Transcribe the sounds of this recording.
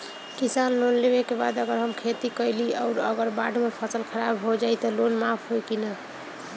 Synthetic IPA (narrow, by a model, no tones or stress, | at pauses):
kisanlonlebekeba̰d̪əɡəɾɦəmkʰet̪ikəjliɔʊɾəɡəɾbaɖʱmepʰəsəlkʰəɾabɦod͡ʒajt̪ɔlonmapʰɦojkina